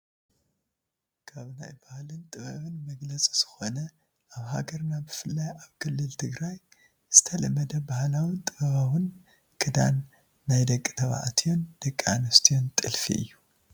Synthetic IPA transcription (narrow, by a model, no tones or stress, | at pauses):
kʰaβna̰jbahlɨnt̪ʼɨβɐβɨnmɐɡlɐt͡sʼi̥z̥ɨxo̞nɐ | ʔaβha̰ɡɐɾnabɨfɨlːajaβkʰɨlːɨlt̪ʰɨɡɾaj | z̥ɨt̪ʰɐlɐmːɐd̪ɐbahlawint̪ʼɨβɐβawɨn | kʰɨd̪a̰nː | ajd̪ɐkʼːit̪ʰɐβa̰ʕa̰t̪ʰijo̞nd̪̥ɐkʼːianɐst̪ʰijo̞nt̪ʼɨlfḭʔɨ̰jːu